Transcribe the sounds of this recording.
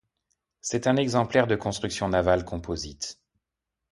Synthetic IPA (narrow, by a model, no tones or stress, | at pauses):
sɛt̪ɛ̃nɛɡzɑ̃plɛʁd̪əkɔ̃st̪χyksjɔ̃navalkʰɔ̃pozit̪